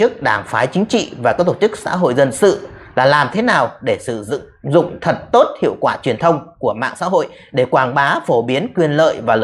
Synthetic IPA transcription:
t͡ɕɨ˦˥ək̚ɗaː˧˩ŋfaː˨˦jt͡ɕï˨˦ŋ̟t͡ɕḭ˧˨vaː˨˩kaː˦˥k̚t̪o˧˩t͡ɕɨ˦˥k̚sa̰ː˧˥ɦo̰˧˨jzə˧nsɨ̰˧˨laː˨˩laː˨˩mt̪ʰe˨˦naː˨˩wɗe˧˩sɨ̰˧˩˧ | zʊ̰˧˨ŋ͡mt̪ʰə˨˩t̚t̪o˦˥t̚hḭ˧˨əwkwaː˧˩t͡ɕwi˨˩ənt̪ʰə˧wŋ͡mku˧˩əma̰ː˧˨ŋsa̰ː˧˥ɦo̰˧˨j | ɗe˧˩kwaː˧˩ŋɓaː˨˦fo˧˩ɓi˨˦ənkwi˧ənlə̰ː˧˨jvaː˨˩l

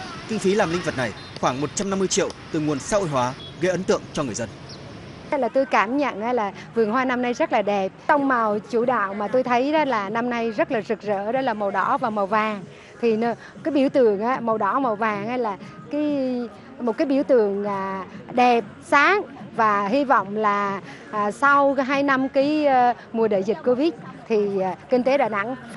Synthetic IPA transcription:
kï˧ŋ̟fi˨˦laː˨˩mlï˧ŋ̟və˨˩t̚na˨˩j | xwaː˧˩ŋmo˨˩t̚t͡ɕa˧mna˧mːɨ˧əjt͡ɕḭ˧˨əwt̪ɨ˨˩ŋu˨˩ənsaː˦˥ʔo̰˧˨jɦwaː˨˦ | ɣə˧jʔə˨˦nt̪ɨ̰˧˨əŋt͡ɕɔ˧ŋɨ˨˩əjzə˧n˦ | jlaː˨˩t̪o˧jkaː˧˩mɲə̰˧˨nʔaː˨˧˦laː˨˩ | vɨ˨˩əŋɦwaː˧na˧mna˧jzə˦˥t̚laː˨˩ɗɛ˨˩p̚t͡ɕə˧wŋ͡mma˨˩wt͡ɕu˧˩ɗa̰ː˧˨wmaː˨˩t̪o˧jt̪ʰə˨˦jɗɔ˨˦laː˨˩na˧mna˧jzə˦˥t̚laː˨˩zɨ˨˩k̚zə̰ː˧˥ɗɔ˨˦laː˨˩ma˨˩wɗɔ̰˧˥vaː˨˩wma˨˩wvaː˨˩ŋ | t̪ʰi˨˩n˨˦ | kaː˨˦jɓi˧˩əwt̪ɨ˧˩əŋʔaː˨˦mə˨˩wɗɔ̰˧˩˦mə˨˩wvaː˨˩ŋha˧jlaː˨˩kaː˨˦j | mo˨˩t̚kaː˨˦jɓḭ˧˩əwt̪ɨ̰˧˨əŋaː˨˩ɗɛ˨˩p̚saː˨˦ŋvaː˨˩ɦi˧vɔ̰˧˨wŋ͡mlaː˨˩ | ʔːsa˧wɦaː˧jna˧mkaː˨˦j | mu˨˩əɗəː˧˨zi˨˩t̚ko˧vi˦˥t̚t̪ʰi˨˩˨kï˧ŋ̟t̪e˨˦ɗa̰ː˧˨na̰˧˥ŋ

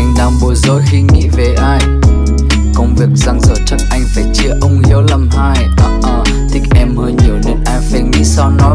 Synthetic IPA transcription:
ʔa˧jŋ̟ɗaː˧˩ŋɓo˨˩jzo̰˧˦jxi˧ŋḭ˧˥ve˨˩ʔaː˧j | kə˧wŋ͡mvi˨˩ək̚za˧ŋzə̰ː˧˨˩t͡ɕə˦˥k̚ʔa˧jŋ̟faː˧˩jt͡ɕi˨˧˦əʔə˧wŋ͡mli˧ə˧wlə˧mhaː˧jʔa˨˩ʔəː˧˩ | t̪ʰï˦˥k̚ʔɛ˧mhəː˧jɲi˨˩əwne˨˧nʔaː˧jfɛ˧˩ŋḭ˧˥sɔ˧nɔ˨˦

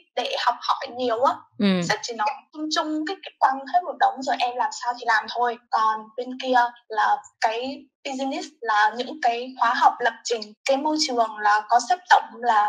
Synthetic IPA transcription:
ɗe˧˩hɔ˨˩wk͡p̚hɔ̰˧˩jɲi˨˩əwʔaː˨˦sɛ̰˧˥t͡ɕi˧˨˩nɔ˨˦˧t̪ʰə˧mt͡ɕʊ˧ŋ͡mkaː˨˦jka˨˦kwaː˧nt̪ʰə˨˦j̚mo˨˩t̚ɗə˨˦wŋ͡mzoː˨˩jʔɛ˧mlaː˨˩msaː˧wt̪ʰi˨˩laː˨˩mt̪ʰo˧jkɔ˨˩nɓe˧nki˧əlaː˨˩kaː˨˦j | i˧zi˧ni˦˥slaː˨˩ɲɨ̰˧˥ŋkaː˨˦jxwaː˨˦ɦa˨˩wk͡p̚lə˨˩p̚t͡ɕï˨˩ŋ̟kaː˨˦jmo˧jt͡ɕɨ˨˩əŋlaː˨˩kɔ˨˦sɛ˦˥p̚t̪ə̰˧˨wŋ͡mlaː˨˩

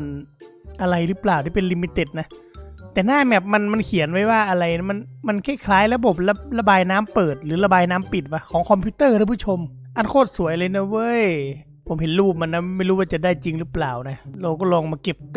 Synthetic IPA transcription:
n | ʔa˧ɾa˧jlɯː˦˥plaː˨˩wt̪ʰi˧˩pe˧nli˧mi˧t̪e˧˩t̪̚na˦˥ | t̪ɛː˨˩naː˥˩bɛː˨˩p̚ma˧nma˧nkʰi˨˦ənwa˦˥jwaː˥˩ʔa˧ɾa˧jma˧nma˧nkʰa˥˩jkʰlaː˨˦jɾa˧bo˨˩p̚la˧p̚la˧baː˧jnaː˦˥mpɤː˨˩t̪̚lɯː˩˦la˧baː˧jnaː˦˥mpi˨˩t̪̚ba˦˧˥kʰɔː˩˦ŋkʰɔ˧mpʰiː˧˥t̪ɤː˥˩ɾʰa˧˩pʰu˧˥˩t͡ɕʰo˧m | ʔa˧˩nkʰoː˥˩t̪̚su˨˩˦əja˧lɤː˧jna˧˩wɤ˦˧˥j | pʰo˩˦mhe˨˦nluː˥˩p̚ma˧nːa˧˩ma˥˩jɾuː˦˥waː˧˩t͡ɕa˨˩daː˥˩jt͡ɕi˧ŋlɯː˦˥plaː˨˩wna˦˥˩la˧wkɔː˥˩lɔː˧ŋmaː˧ke˨˩p̚

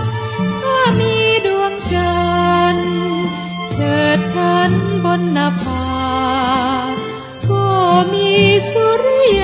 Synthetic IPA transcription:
maː˧˥˩miː˧˥du˧əŋt͡ɕa˧n | t͡ɕɤː˨˩t̪̚t͡ɕʰa˦˥nbɔ˧nːa˧pʰa˧ | bɔː˧˩miː˧˥su˧ɾi˥

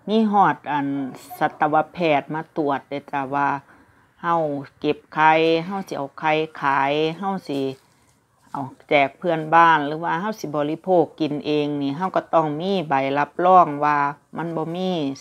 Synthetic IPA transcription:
miː˧˥˨ɦɔː˧˩t̪̚ʔa˨˩nsa˧˦t̪ːa˧wa˧pʰɛː˧˩t̪̚maː˧˨t̪u˨˩ət̪̚dɛ˧˩t͡ɕa˧˩waː˧ | ha˧˩˨wke˧˦p̚kʰa˧jɦa˧˩˨wsi˧˦ʔa˨˩wkʰa˧˩jkʰaː˨˦jɦa˧˩˨wsi˧˦ | ʔa˨˩wt͡ɕɛː˨˩k̚pʰɯ˧ə˨nbaː˧˥˩nlɯː˨˦waː˧ɦa˧˥˨wsi˧˦bɔː˨li˧˨pʰoː˧˩kːi˨nʔeː˨˧ŋniː˧˩ɦa˧˩wka˧˩t̪ɔː˧˩ŋmiː˧˥˨ba˨jla˧p̚lɔː˧˥˩ŋwaː˧ma˧˥˨nbɔː˧˦miː˧˥˨

